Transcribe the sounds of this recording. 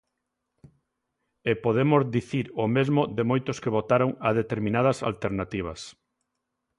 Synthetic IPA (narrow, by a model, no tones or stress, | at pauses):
epoðemʊzðiθiɾomezmʊðɪmojt̪ʊskeβot̪aɾoŋað̞et̪eɾmĩnað̞ɐsa̰lt̪eɾnat̪iβ̞ɐ̰s